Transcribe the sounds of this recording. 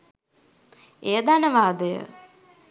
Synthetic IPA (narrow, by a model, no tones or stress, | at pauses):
ejəd̪anəʋaːd̪əjə̰